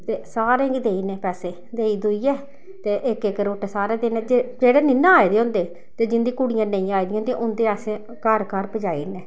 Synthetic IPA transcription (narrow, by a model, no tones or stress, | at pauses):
t̪eːsaːɾẽːɡid̪eːiːnɛːpɛːseː | d̪eːiːd̪ʊiːɛː | t̪eːʔɪkɪkɾoːʈɛsaːɾeːd̪enɛːd͡ʒed͡ʒeːɽeːnɪnːãːaːeːd̪eːɦõːnd̪eː | t̪eːd͡ʒɪnd̪ĩːkʊɽijãːnəĩːaːid̪ĩj̃ãneʔʊnd̪eːasẽ | kaɾkaɾpəd͡ʒaːḭːnɛː